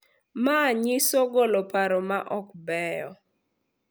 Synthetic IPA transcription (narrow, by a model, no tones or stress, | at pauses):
maɲɪsɔɡɔlɔpaɾɔma̰ʔɔkbɛjɔ